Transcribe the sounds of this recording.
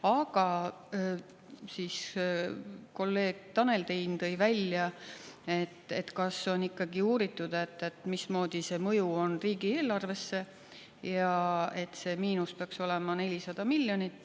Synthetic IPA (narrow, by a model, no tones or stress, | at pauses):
ɑɡ̥ɑ | siːs | ko̞lːe̞ːɡ̥̚t̪ɑne̞lt̪ejnt̪ɤjvælʲjɑe̞t̪ːˑe̞̰t̪kɑsːo̞nikːɑɡiuːɾit̪ːˑud̪̥ɑe̞t̪ːˑe̞t̪mismo̞ːd̪̥ise̞ːmɤjuo̞nriːɡieːlɑrve̞sːe̞ | jɑe̞t̪ːse̞ːmiːnuspeɑkso̞le̞mɑne̞lʲisɑd̪̥ɑmilːjo̞nit̪ːˑ